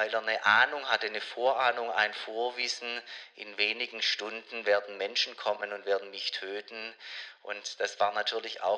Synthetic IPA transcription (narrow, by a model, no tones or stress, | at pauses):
vaɪleːɐnəʔaːnʊŋɦatənəfoːɐʔaːnʊŋa̰ɪnfoːɐvɪsn̩ʔɪnveːnɪɡŋ̩ʃtʊndn̩veːɐdn̩mɛnʃn̩kʰɔmənʊntv̥eːɐdn̩nɪçtʰːøːtn̩ʔʊ̰ntd̥asv̥aːɐnatʰyːɐlɪça̰ʊ